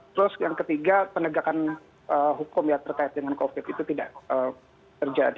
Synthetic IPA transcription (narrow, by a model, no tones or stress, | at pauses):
t̪əɾʊsjaŋkət̪iɡapənəɡakan | ʔəːɦukʊmjat̪ərkaɪt̪̚dəŋankofɪt̪it̪ut̪idaʔʔəːm | t̪ərd͡ʒa̰di